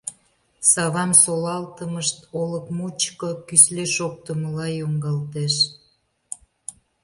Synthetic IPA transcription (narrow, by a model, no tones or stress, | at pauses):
sɑβɑmsolɑlt̪əməʃt̪oləkmut͡ɕkokysleʃok̚t̪əməlɑjoŋɡɑlt̪eʃ